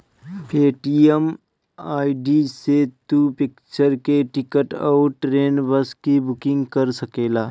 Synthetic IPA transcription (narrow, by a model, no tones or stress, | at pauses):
pʰeːʈiəm | aːiɖiset̪upɪkt͡ʃəɾkeʈɪkəʈɔːʈɾeːnbəskibʊkɪ̃ŋɡkəɾsəkeːlaː